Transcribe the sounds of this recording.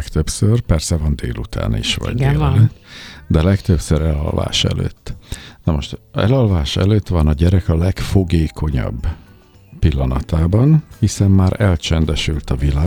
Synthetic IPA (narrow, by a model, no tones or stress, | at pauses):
kt̪øpsørpɛrsɛvɒnd̪ḛːlut̪ʰa̰ːnḭʃʋɒ̰ɟdeː | d̪ɛlɛkt̪øpsøɾɛlɒ̰lva̰ːʃɛ̰lø̰ːt̪ːnɒmo̞ʃt̪ɛlɒlvaːʃɛ̰løːt̪ʋɒnɒɟɛɾɛkɒlɛkfoɡeːkʰo̞ɲɒ̰b | pilːɒnɒt̪aːbɒnhisɛmːaːɾɛlt͡ʃɛnd̪ɛʃylt̪ɒvilaː